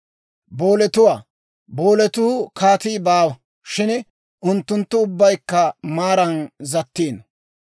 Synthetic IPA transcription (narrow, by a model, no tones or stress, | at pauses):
bo̞ːlɛt̪ʊwaː | bo̞ːlɛt̪ʊːkʰaːt̪iːbaːwɐ | ʃɪn | ʔʊnt̪ːʊnt̪ːʊʊbːɐjkːɐmaːɾɐnzɐt̪ːiːn